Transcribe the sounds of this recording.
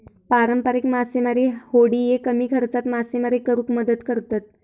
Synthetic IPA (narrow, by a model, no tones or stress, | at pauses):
paɾəmpəɾekmasimaɾihoɽiːjekəmiːkʰəɾt͡sat̪masimaɾiːkəɾuːkməd̪ət̪kəɾt̪at̪̚